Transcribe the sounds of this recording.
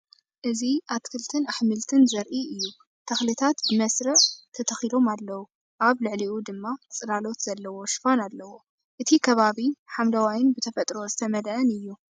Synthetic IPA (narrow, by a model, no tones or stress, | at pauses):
ʔɨziʔat̪kʰɨlt̪ʰɨnaħmɨlt̪ʰɨnzɐɾʔiʔɨjːu | t̪ʰɐxlɨt̪ʰat̪bɨmɐsɾɐʕt̪ʰɐt̪ʰɐxilo̞malːɐwu | ʔaβlɨʕliud̪ɨmːat͡sʼɨlalo̞t̪z̥ɐlːɐwo̞ʃɪ̥fanalːɐwo̞ | ʔɨt̪ʰikʰɐβaβiħamlɐwajɪnbɨt̪ʰɐfɐt̪ʼɾo̞zɨt̪ʰɐmɐlʔɐnɨjːu